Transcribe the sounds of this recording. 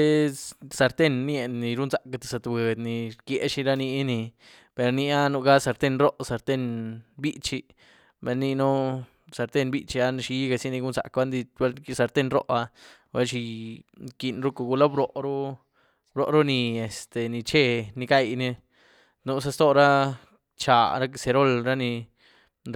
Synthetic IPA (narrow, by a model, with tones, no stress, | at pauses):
sa˧ɾt̪e˦nː˦e˧˨nːi˧ɾu˦nsa˧˨ka˧t̪ḁ˧˨sa˧t̪be˨d̪ni˨˧ɾkje˧˦ʃi˧ɾa˦ni˧˦ni˧ | pe˨˧ɾni˧a˦nu˧ɡa˦sa˧ɾt̪e˦˧nɾo˦ʔsa˧ɾt̪e˦˧nbi˦t͡ʃi˧ | be˧nːi˧nu˦ | sa˧ɾt̪e˦˧nbi˦t͡ʃi˧a˧n˧ʃi˧˦ɡa˧si˦ni˧ɡu˦nza̰˧kba˦nd̪i˧we˦lsa˧ɾt̪e˦˧nɾo̰˦ʔa˧ | we˧˦lʃi˧ki˧˨nɾu˦ko˧˨ɡu˧la˦bɾo˨ʔɾu˦ | bɾo˧ʔɾu˦ni˧e˨st̪e˨ni˧t͡ʃe˦ni˧ka˦˧˨jni˧ | nu˧˦s̬a˧st̪o˦ɾa˦ | t͡ʃa˨ɾa˦kse˧ɾo˦˨lɾa˦ni˧